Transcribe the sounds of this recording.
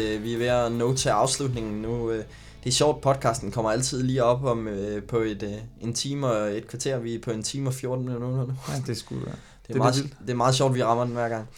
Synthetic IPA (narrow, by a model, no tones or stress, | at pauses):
ʋiæʋeɐnɔʊt͡sʰeɑ̈ʊslud̥̚ne̝ŋn̩nuø | d̥eæɐɕɒ̰ʊ̰d̥̚pʰɒ̽d̥̚kʰɑ̈sd̥n̩kʰɒ̽m̰ɐæl̰t͡sʰið̞̰ˠliːɒ̽b̥ɒ̽møpʰɒ̽e̝d̥e̝nt͡sʰiːmɒe̝d̥kʰʋɑ̈t͡sʰe̝ːɐ̰ʋipʰɒ̽e̝nt͡sʰiːmɒfjo̝ɐd̥n̩lnonɐnud̥esɡ̥u | deɐmɑ̈ːð̩ˠd̥e̝mɑ̈ːð̞̩ˠɕ̬ɒ̰d̥ʋiʁɑ̈mɐd̥en̩ʋæɐ̰ɡ̥ɑ̈ŋ̰